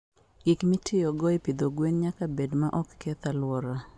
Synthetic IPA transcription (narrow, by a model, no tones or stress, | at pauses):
ɡɪkmɪtʰɪjɔɡɔepid̪oɡwenɲakabedmaʔɔkːɛt̪alwɔɾa